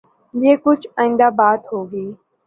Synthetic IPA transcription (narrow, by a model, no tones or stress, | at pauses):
d͡ʒeːkʊd͡ʒʱaːĩːnd̪aːbaːt̪ɦoːɡiː